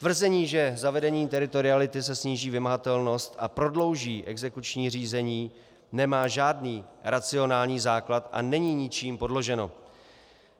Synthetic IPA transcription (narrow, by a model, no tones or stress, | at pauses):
t̪vr̩zɛɲiːʒɛzavɛdɛɲiːt̪ɛɾɪt̪o̞ɾɪalɪt̪ɪs̬ɛsɲiːʒiːvɪmaɦat̪ɛlno̞st̪ʔapɾo̞dlo̞wʒiːʔɛɡzɛkut͡ʃɲiːr̝iːzɛɲiː | nɛmaːʒaːdniːɾat͡sɪo̞naːlɲiːzaːklat̪ʔa̰nɛɲiːɲɪt͡ʃiːmpo̞dlo̞ʒɛno̞